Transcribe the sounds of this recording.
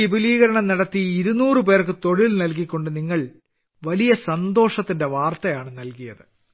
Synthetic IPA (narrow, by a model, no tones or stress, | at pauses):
ibiliːɣɐɾɐɳɐmnɐɽɐt̪ːiːɾunuːrɨp̬e̞ːrkːɨt̪o̞ɻilnɐlk̬ikʲːo̞ɳɖɨniŋːɐɭ | ʋɐlijɐsɐnd̪o̞ːʂɐt̪ːinde̞ʋaːrt̪ɐjaːɳɨnɐlkijɐ̰ðɨ